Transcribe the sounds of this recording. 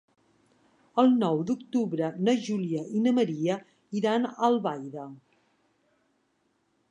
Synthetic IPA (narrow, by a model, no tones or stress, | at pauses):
əlˠnɔwd̪ukt̪uβɾənəʒuliəʔinəməɾiə | iɾanəlˠβajðə